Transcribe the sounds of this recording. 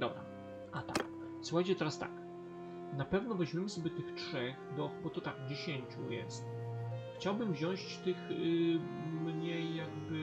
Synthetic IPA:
d̪ɔbɾa̰ | ʔat̪a̰k | swuxajt͡ɕɛt̪ɛɾast̪a̰k | napɛvnɔvɛʑmʲɛmɘsɔbʲjɛt̪ɘxtʂɛxd̪ɔbɔt̪ɔt̪aɡd͡ʑeɕeɲt͡ɕṵjɛ̰st̪xt͡ɕawbɘmvʑɔ̃w̃ɕt͡ɕt̪ɘx | mɲejːaɡbɘ

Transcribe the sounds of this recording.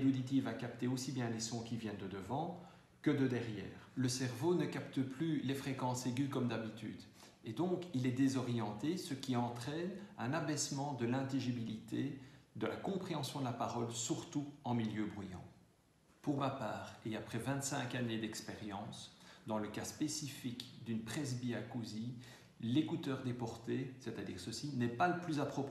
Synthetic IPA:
elod̪it̪̬ivakapt̪eosibjɛ̃lesɔ̃kʲivjɛ̃nd̪əd̪əvɑ̃ | kəd̪əd̪ɛʁjɛ̰ːʁləsɛʁvonəkapt̪əplylefχekɑ̃seɡykɔmd̪abit̪y̰d̪ | ed̪ɔ̃kilɛd̪ezɔʁjɑ̃t̪esəkʲiɑ̃t̪χɛnɛ̃nabɛsmɑ̃d̪əlɛ̃t̪iʒibilit̪ʰed̪əlakɔ̃pχeɑ̃sjɔ̃d̪əlapaʁɔlsyʁt̪uɑ̃miljøbʁujɑ̰̃ | puʁmapaːʁeapχɛvɛ̃t̪sɛ̃kaned̪ɛkspeʁjɑ̃sd̪ɑ̃ləkaspesifikd̪ynpχɛs̬biakuzi | lekut̪œːʁd̪epɔʁt̪esɛt̪ad̪ḭːʁsəsinɛpaləplyzapχɔp

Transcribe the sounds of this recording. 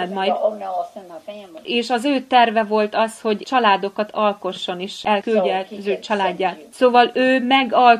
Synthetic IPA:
ɛd̪mɒjd̪ | eːʃɒzøːt̪ɛrvɛvo̞lt̪ɒsho̞ɟt͡ʃɒlaːd̪o̞kɒt̪ʰɒlko̞ʃːo̞neːʃɛlkylɟɛt̪ɒzøːt͡ʃɒlaːɟːaːt̪soːvɒløːmɛɡɒl

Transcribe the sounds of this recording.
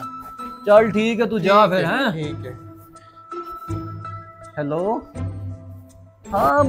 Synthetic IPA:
t͡ʃɐlʈʰiːkɦɛt̪uːd͡ʒaːpʰɪɾɦɛ̃ːiːk | hɛloː | hãː

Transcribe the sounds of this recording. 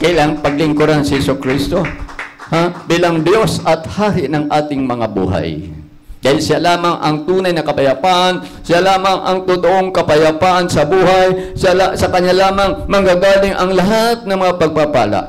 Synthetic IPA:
kɐjlaŋpɐɡ̚lɪŋkʊɾansɪhɛsokɾist̪o̞habiːlaŋd̪jo̞sʔɐt̪̚haːɾɪʔnɐŋʔaːt̪ɪŋmɐŋabṵːɦa̰j | d̪aːhɪlʃjalaːmɐŋʔɐŋt̪uːnɐjnɐkɐpɐjɐpaʔɐn | sɪjalaːmɐŋʔɐŋt̪ʊt̪oʔoŋkɐpɐjɐpaːʔɐnsɐbuːhajsalasɐkɐɲːalaːmɐŋmɐŋɡaɡaːlɪŋʔɐŋlɐɦat̪̚nɐŋmɐŋapɐɡ̚papa̰ːla̰ʔ

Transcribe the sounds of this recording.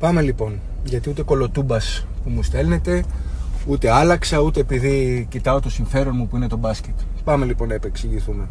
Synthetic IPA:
pɐme̞lipo̞n | ʝɐt̪iut̪e̞ko̞lo̞t̪ubɐspumust̪e̞lne̞t̪e̞ut̪e̞ɐlɐksɐut̪e̞ːpiðicit̪ɐo̞t̪o̞siɱfe̞ɾo̞nmupuine̞t̪o̞bɐsce̞t̪pɐme̞lipo̞nːɐepe̞ksiʝiθume̞

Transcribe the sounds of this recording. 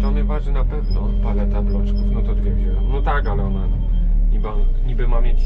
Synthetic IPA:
ɔnajvaʐd͡ʑɛjnapɛvnɔ | palɛt̪ablɔt͡ʂkufnɔt̪ɔd̪vʲjɛɡd͡ʑɛjnɔt̪akalɛɔna | ɲibaɲibɘmamʲjet͡ɕ

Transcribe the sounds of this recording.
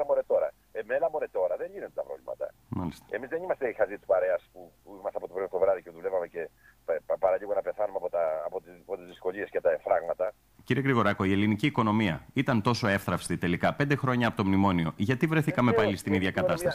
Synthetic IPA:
lɐmoɾet̪o̞ɾɐ | emelɐmoɾet̪o̞ɾɐðeɲʝinet̪d̪et̪ɐpɾo̰vlḭmɐ̰t̪ɐ̰mɐlist̪e̥emizðenimɐst̪eixɐzit̪u̥pɐɾe̞ɐspuimɐst̪eɐpot̪opɾemst̪ovɾɐðiceðulevɐme̞ce̞ | pɐɾɐʎiɣonɐpe̞θɐnumeɐpot̪ɐːpot̪ipot̪izðisko̞ʎiescet̪ɐfɾɐɣmɐt̪ɐ | ciɾie̞ɣɾiɣo̞ɾɐko̞ie̞liniciːko̞no̞miɐit̪ɐnt̪o̞so̞e̞fθɾɐfst̪it̪e̞likɐpe̞nd̪e̞xɾo̞ɲɐːpo̞t̪o̞mnimo̞nio̞ʝɐt̪ivɾe̞θikɐme̞pɐlist̪iniðʝɐkɐt̪ɐsɐsi̥

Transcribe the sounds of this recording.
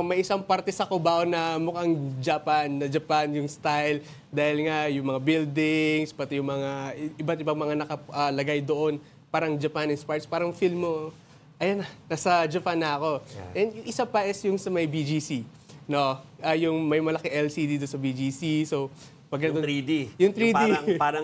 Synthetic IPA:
mɐjʔɪsaŋpaɾt̪ɛsɐkobaʔonɐmʊkaŋd͡ʒɐpanːɐd͡ʒɐpanjʊŋst̪ajɪl | d̪aːhɪlŋajʊŋmɐŋabild̪ɪŋspɐt̪ɪjʊŋmɐŋaʔɪbat̪̚ɪbaŋmɐŋanɐkɐʔɐlɐɡajd̪oʔo̞n | paːɾɐŋd͡ʒɐpanɪnspaɹt̪spaːɾɐŋfilmːo | ʔɐjanɐnɐsɐd͡ʒɐpanːɐɐko̞ʔɛnd̪jʊŋʔɪsapɐʔɛsjʊŋsɐmɐjbid͡ʒisi | no̞ʔɐjʊŋmɐjmɐlɐkɛʔɛlsid̪id̪onsɐbid͡ʒisisow | pɐɡ̚nɐd̪od̪ijʊŋt̪ɾid̪iaɾɐ

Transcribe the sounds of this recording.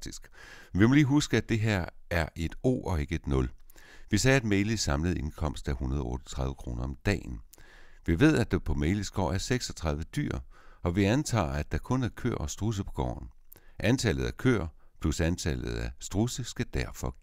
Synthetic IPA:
d̥isɡ̥ | ʋimɔ̽liːɦusɡ̥əæd̥e̝ɦeɐ̰æɐʔe̝d̥o̝̰ːɒ̽e̝ɡ̥əe̝d̥nɔ̽lʋisɛːæd̥meɪlisɑ̈mləð̞̩ˠe̝nkʰɒ̽m̰sd̥æhunɐðˠɒɔ̽ːɾ̥ɒ̥t͡sʰʁɑ̈ð̞ˠʋəkʰʁo̝ːnɐɒ̽md̥ɛ̰ːnʋiʋe̝ð̞̰ˠæd̥ɑpʰɒ̽meɪləsɡ̥ɒ̰ːæɐseɡ̥sɒ̽t͡sʰʁɑ̈ð̞ˠʋəd̥y̰ɐ̰ʔɒ̽ʋiænt͡sʰɑ̰̈ːæd̥ɑ̈kʰɔ̽næɐkʰø̰ːɐ̰ɒsd̥ʁus̬əpʰɒ̽ɡ̥ɒ̰ːn̩ | ʔænt͡sʰɛlð̩ˠækʰø̰ːɐ̰pʰlusænt͡sʰɛlð̞̩ˠæsd̥ʁusəsɡ̥æd̥æɐfɒ̽

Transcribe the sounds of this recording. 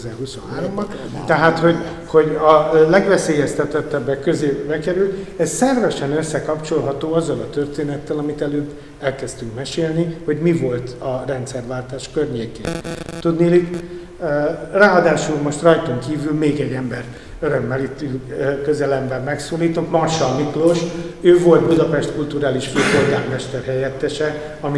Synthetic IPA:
zɛrhusonɦaːɾomb | t̪ɛɦaːt̪ho̞ɟ | ho̞ɟɒlɛɡʋɛseːjɛst̪ɛt̪ːɛt̪ːɛbːɛkkøzeːbɛkɛɾylt̪ɛssɛrvɛʃɛnø̞sːɛkɒpt͡ʃo̞lɦɒt̪oːɒzːɒlɒt̪ørt̪eːnɛt̪ːɛlɒmit̪ɛløːbː | ɛlkɛst̪yŋkmɛʃeːlniho̞ɟmivo̞lt̪ɒrɛnt̪sɛrvaːlt̪aːʃkørɲeːkḛːnt̪ud̪nilik | raːɒd̪aːʃulmo̞ʃt̪rɒjt̪oŋkiːvylmeːɡɛɟːɛmbɛr | øɾø̞mːɛlit̪ːykø̞zɛlɛmbɛmːɛksoːliːt̪o̞t̪mɒrʃɒmikloʃøːvo̞lt̪̚bud̪ɒpɛʃt̪kult̪uɾaːliʃføːporɡaːrmɛʃt̪ɛrɦɛjɛt̪ːɛʃɛ | ɒmi

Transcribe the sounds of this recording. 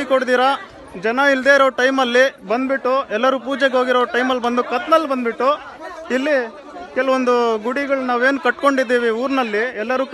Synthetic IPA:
ikoɽd̪iːɾɐ | d͡ʒɐnɐild̪eːiɾoːʈɐjmɐlːibɐnd̪biʈːuɛlːɐɾuːpuːd͡ʒeɡɦo̞ːɡiɾoːʈɐjmɐlːbɐnd̪ukɐt̪nɐlːibɐnd̪biʈːu | ilːi | kɛlɐʋond̪uɡuɽiɡɐɭɐnaːʋe̞ːnukɐʈko̞ɳɖid̪ːiːʋiuːɾnɐlːiɛlːɐɾuːk

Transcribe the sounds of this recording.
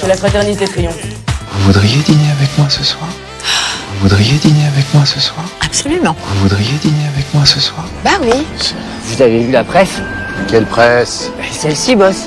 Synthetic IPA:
syʁlafχat̪ɛʁnit̪etχijɔ̃vuvud̪ʁijed̪ineavɛkmwasəswaːʁ | vuvud̪ʁijed̪ineavɛkmwasəswaːʁapsɔlymɑ̃vuvud̪ʁijed̪ineavɛkmwasəswaːʁbawis | vuzavevylapχɛskʲɛlpχɛssɛlsibɔs

